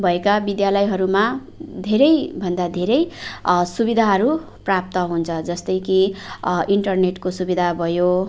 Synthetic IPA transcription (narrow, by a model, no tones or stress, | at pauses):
bʱʌekabid̪jalʌjɦʌɾuma | d̪ʱeɾʌjbʱʌnd̪ad̪ʱeɾʌjsubid̪ʱaɦʌɾu | prap̚t̪ʌɦunt͡sʰʌd͡zʌst̪ʌjki | iɳʈʌrneʈkosubid̪ʱabʱʌjo